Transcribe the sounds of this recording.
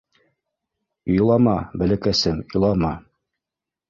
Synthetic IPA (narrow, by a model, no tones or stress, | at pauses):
ojlˠɑmɑbæ̆lækæsɘmŏlˠɑmɑ